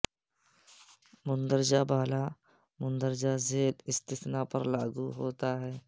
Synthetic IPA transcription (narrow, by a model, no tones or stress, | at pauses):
mʊ̃nd̪əɾd͡ʒabaːla | mʊnd̪əɾd͡ʒazeːlɪst̪ɪsnapɐɾlaːɡuɦoːt̪aɦɛː